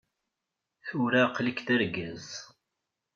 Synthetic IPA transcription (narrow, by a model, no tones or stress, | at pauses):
θuɾaqləkθəɾɡæz